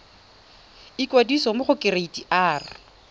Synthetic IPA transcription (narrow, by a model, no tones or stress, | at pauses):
ikʼwadisɔmʊχʊkʼɪreitʼiʔaːrɪ